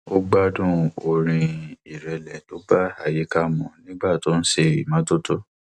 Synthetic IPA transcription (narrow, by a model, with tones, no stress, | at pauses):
o˦ɡ͡ba˦dũ˦˨o˧ɾ̃ĩ˧i˨ɾɛ˧lɛ˨˦to˨˦ba˦a˨ji˨˦ka˦mɔ̃˨˦nĩ˦ɡ͡ba˦˨to˦n̩˦ʃe˦˨ɾḭ˨mã˨˦to˦to˦